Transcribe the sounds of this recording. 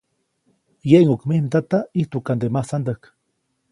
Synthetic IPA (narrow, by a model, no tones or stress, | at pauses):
jeʔiŋokmihnt̪at̪aiht̪ukand̪emahsand̪ak